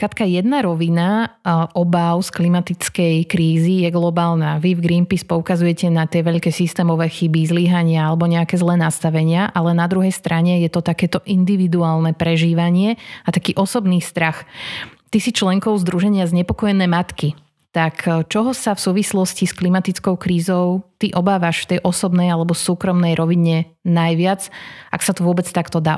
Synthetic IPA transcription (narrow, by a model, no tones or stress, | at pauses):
kɾat̪kajɛd̪naɾɔʋinaʔɔbaʊsklimat̪it͡skɛjkɾiːzijɛɡlɔbaːlnaʋivɡɾinpispɔukazujɛcɛnat̪ɪɛʋɛʎkɛːsist̪ɛːmɔʋɛːxibizliɦaɲɪaalɛbɔɲɛakɛːzlɛːnast̪aʋɛɲɪaʔalɛnad̪ɾuɦɛjst̪ɾaɲɛjɛt̪ɔt̪akɛːt̪ɔʔind̪iʋid̪uaːlˠnɛpɾɛʒiːʋaɲɪɛat̪akiːʔɔsɔbniːst̪ɾaxt̪isit͡ʃlɛŋkɔʊzd̪ɾuʒɛɲɪazɲɛpɔkɔjɛnɛːmat̪ki | t̪akt͡ʃɔɦɔsafsuːʋislɔscisklimat̪it͡skɔʊkɾiːzɔʊt̪iʔɔbaːʋaʃft̪ɛjʔɔsɔbnɛjalɛbɔsuːkɾɔmnɛjɾʔɔʋiɲɛ | najʋɪad͡za̰ksat̪ɔʋʊɔbɛt͡st̪akt̪ɔd̪a̰ː